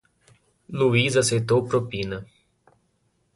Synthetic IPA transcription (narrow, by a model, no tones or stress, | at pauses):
luizasejt̪owpɾopĩnɐ